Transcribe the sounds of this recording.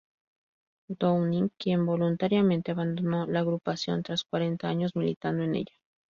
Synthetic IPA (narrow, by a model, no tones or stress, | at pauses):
d̪ownĩŋkje̞mbo̞lunt̪aɾjamẽ̞nt̪eaβand̪ono̞laːɣɾupasjo̞̰nt̪ɾaskwaɾe̞nt̪aaɲo̞zmilit̪and̪oenḛʝḁ